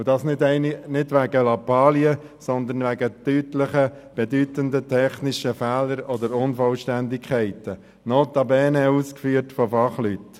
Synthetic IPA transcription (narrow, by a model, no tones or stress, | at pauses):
ʊdɑːsnɪɛɪnnɪdʋæɡəlɑpɑːliəsɔnd̪ənʋæɡətytlɪχə | b̥ɛdytənd̪ətʰɛχnɪʃəfæːləɾɔd̪əɾʊnfɔlʃtændɪkʰχɛɪtə | noːt̪ɑbɛːnɛuːskfyːəɾtfɔfɑχlyt